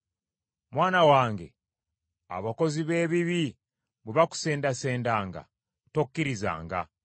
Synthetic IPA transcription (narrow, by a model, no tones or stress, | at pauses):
mwaːnawaːŋɡe̞̰ | a̰βako̞ziβe̞ːβiβi | βeβaku̥se̞ːndase̞ːndaːŋɡa̰ | tokkːiɾiza̰ːŋɡa̰